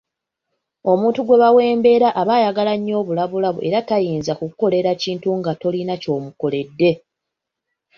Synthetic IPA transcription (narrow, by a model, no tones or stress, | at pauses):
o̞muːntuɡwe̞βawe̞ːmbe̞ːɾaʔːβajaɡalaɲːo̞ːβulaβulaβṵʔe̞ɾatajiːnzakukuko̞le̞ɾaciːntuŋɡato̞linaco̞ːmuko̞le̞dːe̞